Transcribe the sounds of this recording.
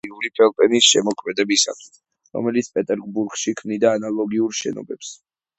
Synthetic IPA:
iulipʰɛlˠpʼɛnisʃɛmɔkʰmɛd̪ɛbisa̰t̪ʰ | ɾɔ̰mɛlit̪sʰpʼɛt̪ʼɛɾɡbuɾɡʃikʰmnid̪aːnalˠɔɡiuɾʃɛ̰nɔ̰bɛps

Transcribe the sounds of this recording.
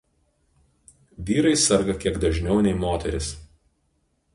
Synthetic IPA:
ʋʲiːɾɐɪsɐɾɡɐkʲiɛɡd̪ɐʒʲnʲɛʊnʲɛɪmoːt̪ʲɛɾʲɪs

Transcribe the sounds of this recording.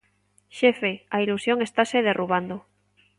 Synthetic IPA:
ʃefeailusjoŋe̞st̪aseð̞e̞rʔuβand̪o

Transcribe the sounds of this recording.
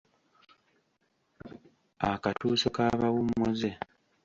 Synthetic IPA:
akatuːso̞kaβawumːoze

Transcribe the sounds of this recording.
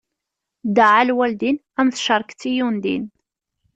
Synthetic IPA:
d̪aʕalwæld̪in | æmθʃəɾˤkt͡sːijund̪ḭn

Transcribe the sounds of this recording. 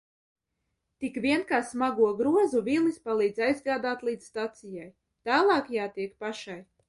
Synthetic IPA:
t̪ikvʲiɛnkaːsmaɡuɔɡɾuɔzuvʲilˠnispalˠiːd̪zajzɡaːd̪aːt̪lˠiːd̪zst̪at̪sijaj | t̪aːlˠɑːkjaːt̪iɛkpaʃaj

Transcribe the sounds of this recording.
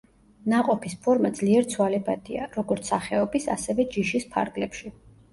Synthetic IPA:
naqʼɔpʰispʰɔɾmad̪zliɛɾt̪sʰwalɛbad̪iaɾɔɡɔɾt̪sʰaχɛɔbisa̰sɛvɛd͡ʒiʃispʰa̰ɾɡlɛpʃi

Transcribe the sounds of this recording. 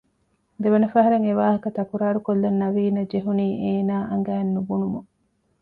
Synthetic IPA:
d̪eʋɐnɐfɐɦɐɾeŋeʋaːɦɐkɐt̪ɐkuɾaːɾukolːɐnːɐʋiːnɐd͡ʒeɦuniːʔeːnaːʔɐŋɡæːnːubunumu

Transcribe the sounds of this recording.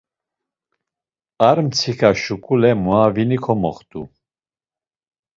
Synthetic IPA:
aɾmt͡sʰikʰaʃukʼulɛmuavinikʰɔmɔ̰χt̪ʼṵ

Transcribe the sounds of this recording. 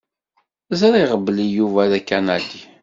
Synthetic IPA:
zɾˤiʁəblijuvæðækːænædi

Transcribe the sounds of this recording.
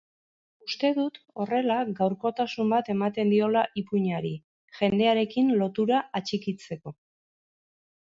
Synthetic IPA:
ust̪e̞ðut̪ | o̞re̞laɡawɾko̞t̪asumbat̪e̞mat̪e̞nd̪io̞laʔipuɲaɾi | ʝe̞nd̪e̞aɾe̞kinlo̞t̪uɾaat͡ʃikit͡se̞ko̞

